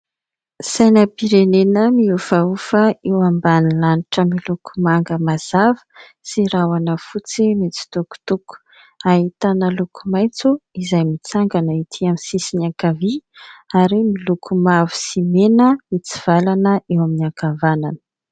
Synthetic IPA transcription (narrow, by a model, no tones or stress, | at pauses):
sajnəpiɾenenəmiufaufəewambanilaniʈ͡ʂəmilukʰumaŋɡəmaz̥avə̥ | siɾawanəfut͡simit͡si̥t̪uku̥t̪uku̥ | aɦit̪anəlukʰumajnt͡suizajmit͡saŋɡanəit̪ʰiamisisiniakaviaɾimilukʰumavu̥simenəmit͡si̥v̥alanəʔewaminiakavananə̥